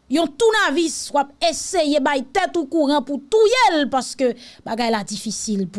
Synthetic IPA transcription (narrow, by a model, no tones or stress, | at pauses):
jɔ̃t̪unaviswapesejebajt̪ɛt̪okuʁɑ̃put̪ujelpaskøbaɡajlad͡zifisilp